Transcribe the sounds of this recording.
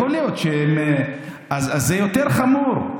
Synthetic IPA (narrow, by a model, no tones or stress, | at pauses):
olijot̪ʃeem | azazːejo̞t̪eʁχamuʁ